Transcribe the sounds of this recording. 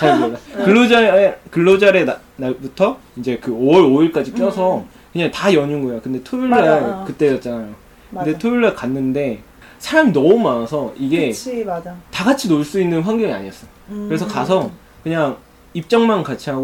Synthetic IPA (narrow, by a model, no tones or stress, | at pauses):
adakɯɭːod͡ʑakɯɭːod͡ʑaɾe̞a | naɭbutʰʌind͡ʑe̞kɯoɾoiɭk͈ad͡ʑik͈jʌsʰʌ | kɯɲaŋtajʌɲuŋɡojokɯnde̞tʰouɭːakɯt͈e̞jʌt̚t͡ɕ͈anajo | kɯnde̞tʰojiɭːakanːɯnde̞ | sʰaɾaŋnʌumanasʰʌiɡe̞ | taɡat͡ɕʰinoɭs͈uinːɯnɸwaŋɡjʌŋia̰ɲiʌs͈ʌjokɯɾe̞s̬ʰʌkasʰʌ | kɯɲaŋ | ip̚t͡ɕ͈ʌŋmankat͡ɕʰiɦaɡo